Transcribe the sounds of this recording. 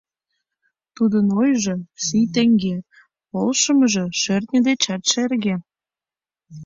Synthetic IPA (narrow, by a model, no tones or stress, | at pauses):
t̪ud̪ənojʒɤ̆sijt̪ĕŋɡe | polʃə̆mə̆ʒĕʃørt̪̚nʲə̆d̪et͡ɕɑt̪ʃerɣe